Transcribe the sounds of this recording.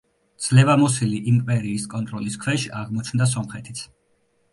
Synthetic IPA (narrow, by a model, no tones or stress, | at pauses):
d̪z̥lɛvamɔsiliʔimpʼɛɾiːskʼɔnt̪ʼɾɔliskʰwɛʃaʁmɔt͡ʃʰmd̪as̬ɔmχɛt̪ʰi̥t̪sʰ